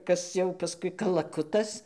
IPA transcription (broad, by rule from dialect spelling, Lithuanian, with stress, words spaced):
ˈkɐs jɛʊ pɐˈskʊɪ kɐlˠɐˈkʊtɐs